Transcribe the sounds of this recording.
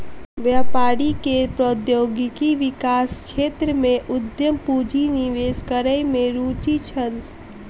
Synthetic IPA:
ʋjəpaɾikepɾod̪joɡikiʋikaskʃʰet̪ɾəmeʔud̪jəmpud͡ʒiniʋeskəɾəjmeɾut͡ʃit͡ʃʰən

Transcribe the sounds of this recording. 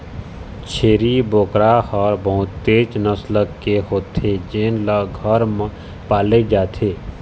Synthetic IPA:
t͡ʃʰeːɾiboːkɾaːhɔːɾbəɦʊt̪ːeːt͡ʃnəsləkːeɦoːt̪ʰed͡ʒeːnləɡʱəɾm | paːled͡ʒaːt̪ʰeː

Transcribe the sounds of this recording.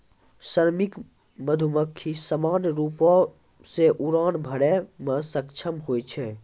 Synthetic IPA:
səɾmɪk | məd̪ʱuməkʰːisəmaːnɾuːpõ | seʔuɾaːnbʱəɽɛmə̃səkt͡ʃʰəmɦoːet͡ʃʰe

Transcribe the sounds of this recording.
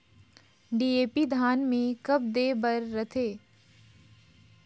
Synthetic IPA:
ɖiːeːpid̪ʱaːnmẽkɐb̚d̪eːbɐɾːɐt̪ʰeː

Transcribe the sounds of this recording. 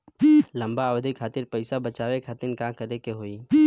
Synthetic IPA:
lɐ̃mbaːwd̪ʱikʰaːt̪ɪɾpɐɪsabɐt͡ʃaːʋekʰaːt̪ɪnkãkɐɾekeɦoːiː

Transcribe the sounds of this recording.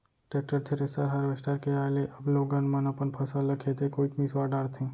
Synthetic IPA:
ʈek̚ʈəɾt̪ʰeɾesaɾɦaɾʋesʈaɾkeajleʔəbloɡənmãnapəɳpʰəsaləkʰet̪ekoit̪misʋaɖaɽt̪ʰĩ

